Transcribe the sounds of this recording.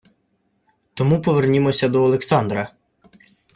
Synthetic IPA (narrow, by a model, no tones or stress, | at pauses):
t̪ɔmupɔʋernʲimɔsʲɐd̪ɔːlˠeksɑnd̪ɾɐ